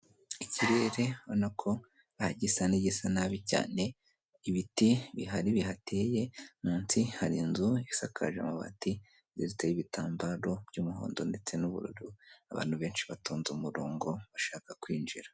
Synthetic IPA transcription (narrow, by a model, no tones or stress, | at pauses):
iciɾe̞ɾe̞βonakʰo̞ | ahaɟisaniɟisanaβica̰ːne̞ | iβitiβiɦaɾiβihate̞je̞muːnsihaɾinzuiisakʰa̰ʒḛmaβa̰ti | ziɾit͡sejiβitaːmbaɾo̞b̥ɟumuɦo̰ːndo̞nde̞t͡se̞nuβṵɾṵɾuaβa̰ːnhuβe̞ːnʃiβatoːnzumuɾoːŋɡo̞βaʃaːkakwiːnd͡ʒiɾa